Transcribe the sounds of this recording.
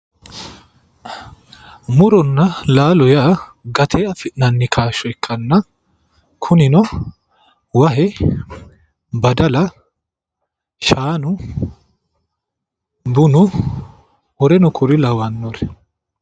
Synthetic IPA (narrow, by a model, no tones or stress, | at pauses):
mʊɾɔnːɐlaːlɔjaːɡɐt̪ʰeːɐfɪʔnɐnːɪkʰaːʃɔɛkːɐnːɐ | kʰʊnɪnɔ | wɐhɛ | bɐd̪ɐlɐ | ʃaːnʊ | bʊnʊ | wɔɾɛnʊkʰʊɾɪlɐwɐnːɔɾɛ